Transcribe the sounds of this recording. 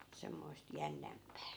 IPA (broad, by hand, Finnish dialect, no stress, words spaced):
semːoist jænːæmpæː